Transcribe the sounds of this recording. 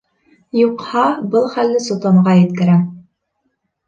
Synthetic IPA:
juqhɑbɤlˠχælːɘsŏt̪omʁɑjɘ̆t̪kɘ̆ɾæ

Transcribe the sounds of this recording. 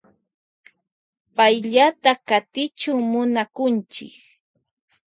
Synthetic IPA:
pajʎat̪akat̪ɪt͡ʃʊŋmʊnakʊnt͡ʃɪ̰k

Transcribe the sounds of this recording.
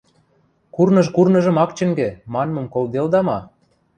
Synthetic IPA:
kurnɤʃkurnɤ̆ʒɤ̆mɑkt͡ɕə̆ŋɡĕmɑnmɤ̆mkold̪eld̪ɑmɑ

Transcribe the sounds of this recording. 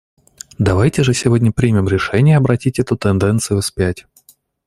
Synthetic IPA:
d̪ɐvajtʲɪʐɨsʲɪvo̞dʲnʲəpɾʲimʲɪmɾʲɪʂɛnʲɪjəɐbɾɐtʲitʲɛt̪ʊt̪ɨnd̪ɛnt̪sɨjʊspʲætʲ

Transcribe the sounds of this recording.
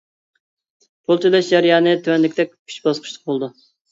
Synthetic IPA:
pʰolˠt͡ʃʰilɛʃd͡ʒɛɾjɑːnɨt̪ʰywɛnlɪkʲt̪ɛk̚ʲʰy̥t͡ʃbɑsqʰə̥ʃlˠə̥q̚bolˠd̪u

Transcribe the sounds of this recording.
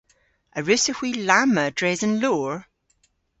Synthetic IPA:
əɹʉsəhw̥iːlamədɹɛzənloːɹ

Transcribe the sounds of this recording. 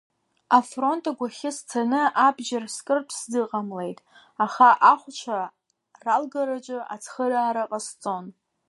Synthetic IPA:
afro̞ntʼaɡʷaχʲɪst͡sʰanɨʔabʒarskʼɨrpʷʰsdɨqʼamle̞jtʼ | aχaʔaχʷt͡ʃʷʰa | ralɡaɾat͡ʃʷʼʊa̰t͡sʰχəraːɾaqʼast͡sʼo̞n

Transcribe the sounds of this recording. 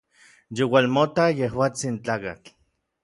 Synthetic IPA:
jowalmot̪ajehwaːt͡sint͡ɬaːkat͡ɬ

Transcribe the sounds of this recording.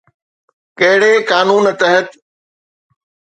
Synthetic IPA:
kɐɦɪɽekaːnuːnt̪ɐɦət̪

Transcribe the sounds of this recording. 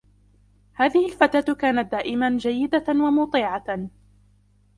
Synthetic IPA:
haːðɪhɪlfat̪aːt̪kaːnat̪̚d̪aːʔɪmand͡ʒajːɪd̪awamʊt̪ˤiːʕɑ

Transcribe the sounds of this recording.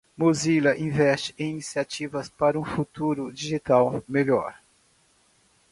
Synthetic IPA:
mozilɐʔĩvɛst͡ʃɪ̥ẽj̃inisiat͡ʃivɐspaɾɐũfut̪uɾʊd͡ʒiʒit̪awmeʎɔ̰ɾ

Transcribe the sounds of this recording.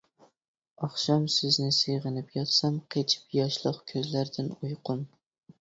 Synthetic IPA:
ɒχʃɒmsɪznɪseʁɨnɪpjɒt̪samqʰet͡ʃʰɪ̥pjɒʃlˠɑqkʲʰɵzlaɾd̪ɪnʊjqʰʊm

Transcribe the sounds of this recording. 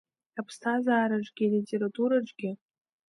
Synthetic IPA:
apʰstʰazaːɾaʐɡʲilitʲʼe̞ɾatʼuɾaʈ͡ʂʼɡʲɪ

